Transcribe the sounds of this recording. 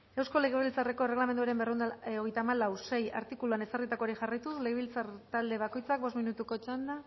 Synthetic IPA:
ewsko̞le̞ɣ̞eβilt͡sare̞ko̞ere̞ɣ̞lame̞nd̪uaɾe̞mberend̪ao̞ɣe̞jt̪aːmalawse̞ja̰ɾt̪ikuluane̞sarit̪akoɾixarajt̪usle̞ɣeβilt͡saɾt̪ald̪e̞βako̞jt͡sak̚bo̞sminut̪uko̞t͡ʃand̪a

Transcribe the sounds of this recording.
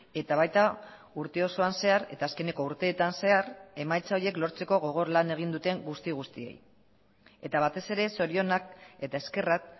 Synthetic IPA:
e̞t̪aβ̞ajt̪a | uɾt̪e̞o̞so̞anse̞aɾe̞̰t̪aːske̞ne̞ko̞uɾt̪e̞ːt̪anse̞aɾe̞majt͡sao̞ɾje̞klo̞ɾt͡se̞koɣ̞o̞ɣ̞o̞ɾlane̞ɣ̞ind̪ut̪e̞ŋɡust̪iɣ̞ust̪ie̞̰j | e̞t̪aβ̞at̪e̞se̞ɾe̞so̞ɾio̞nak̚e̞t̪ae̞ske̞rak̚

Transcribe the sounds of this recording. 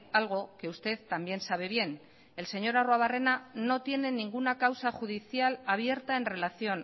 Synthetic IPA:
alɣ̞oke̞ust̪e̞ðt̪ambje̞nsaβ̞e̞β̞je̞n | e̞lse̞ɲo̞ɾarwaβ̞are̞nano̞t̪je̞ne̞nĩŋɡunakawsaxuðiθjalaβ̞je̞ɾt̪ae̞nre̞laθjo̞n

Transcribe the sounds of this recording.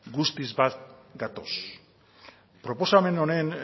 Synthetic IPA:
ɡust̪izβat̪̚ɡat̪o̞s | pɾo̞po̞same̞no̞ne̞n

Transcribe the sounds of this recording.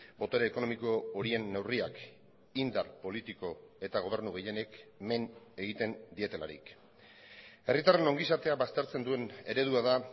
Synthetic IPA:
bo̞t̪o̞ɾeːko̞no̞miko̞ːɾie̞nːewriak | ind̪arpo̞lit̪iko̞e̞t̪aɣ̞o̞β̞e̞ɾnuɣe̞je̞ne̞kme̞ne̞ɣ̞it̪e̞nd̪ie̞t̪e̞la̰ɾḭk | e̞rit̪are̞no̞ŋɡisat̪e̞aβast̪e̞ɾt͡se̞nd̪ue̞ne̞ɾe̞ð̞uaða

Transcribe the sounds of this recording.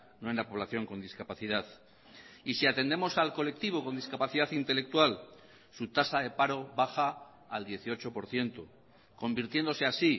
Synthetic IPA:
noenlapo̞β̞laθjo̞ŋko̞nd̪iskapaθiðaθ | isiat̪e̞nd̪emo̞salko̞le̞k̚t̪iβo̞ko̞nd̪iskapaθiðaθint̪e̞le̞k̚t̪wal | sut̪asaðe̞paɾo̞βaxaː | ld̪je̞θio̞t͡ʃo̞po̞ɾθje̞nt̪o | ko̞mbiɾt̪je̞nd̪o̞seasi

